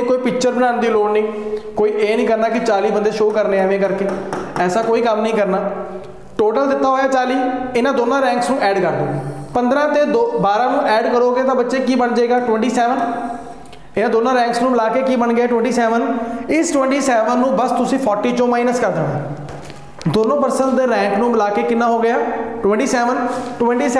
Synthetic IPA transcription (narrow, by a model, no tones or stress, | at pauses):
koːiːpɪkt͡ʃəɾbənaːnd̪iːloːnnĩːkoːiːʔeːnĩːkəɾnaːkɪt͡ʃaːliːbənd̪eːʃoːkəɾneːaːʋẽːkəɾkeːɛːsaːkoːiːkəmnəĩːkəɾnaː | ʈoːʈəld̪ɪt̪ːaːɦoːjaːt͡ʃaːliːɪnãːd̪oːnãːɾɛ̃ːŋksnũːʔɛːɖkəɾɦo̰ːɡeːpənd̪ɾãːt̪eːd̪obaːɾãːnũːʔɛːɖkəɾoːɡeːt̪ãːbətːʃeːkiːbəɳd͡ʒaeːɡaːʈʊwɛ̃ɳʈiːsɛːʋən | ɪnãːd̪oːnãːɾɛ̃ːŋksnũːmɪlaːkeːkiːbəɳɡɪaːʈʊwɛ̃ɳʈiːsɛːʋənɪsʈwɛ̃ɳʈiːsɛːʋənːũːbəst̪ʊsĩːpʰɔːɾʈiːt͡ʃõːmaːɪnəskəɾd̪eːo̰ː | d̪oːnõːpəɾsəɳʈd̪eːɾɛ̃ːŋknũːmɪlaːkeːkɪnːãːɦoːɡɪjaːʈwɛ̃ɳʈiːsɛːʋənʈwɛ̃ɳʈiːsɛ